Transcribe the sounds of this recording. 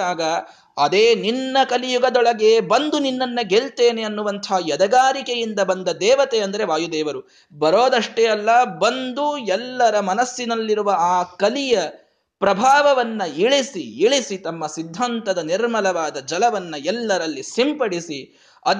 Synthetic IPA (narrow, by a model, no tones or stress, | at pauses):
aːɡɐ | ɐd̪eːninːɐkɐlijuɡɐd̪ɔɭɐɡeːbɐnd̪uninːɐnːɐɡeɭt̪e̞ːne̞ɐnːuʋɐnt̪ʰɐɦɐjɐd̪ɐɡaːɾikejind̪ɐbɐnd̪ɐd̪ɛːʋɐt̪eɐnd̪ɐɾe̞ʋaːjud̪ɛːʋɐɾu | bɐɾo̞ːd̪ɐʂʈejɐlːɐbɐnd̪uɛlːɐɾɐmɐnɐsjinɐlːiɾuʋɐaːkɐlijɐ | pɾɐbʱaːʋɐʋɐnːɐiɭisiiɭisit̪ɐmːɐsid̪ʱːant̪ɐd̪ɐniɾmɐlɐʋaːd̪ɐd͡ʒɐlɐʋɐnːɐɛlːɐɾɐlːisimpɐɽisi | ɐ